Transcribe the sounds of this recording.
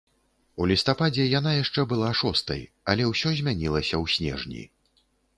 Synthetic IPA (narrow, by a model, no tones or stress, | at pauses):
ulʲist̪apad͡zʲɛjan̪ajaʂt͡ʂɛbɨlˠaʂɔst̪ɐ̰j | ɐlʲɛwsʲɔzʲmʲanʲilˠɐsʲɐwsʲnʲɛ̰ʐnʲḭ